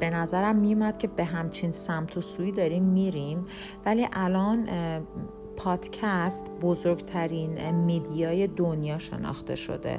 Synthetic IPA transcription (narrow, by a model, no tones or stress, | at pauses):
be̞næzæɾæmːijumæd̪̥̚cʲʰe̞be̞ɦæmt͡ʃʰiːnsæmt̪ʰosuːiːd̪ɒːɾiːmːiːɾim | væliːʔælɒːn | pʰɒːd̪̥cʰæst̪bo̞zoɾɡt̪ʰæɾiːnmid̪ijɒːje̞d̪onjɒːʃe̞̰nɒ̰xt̪e̞̰ʃo̞̰d̪ḛ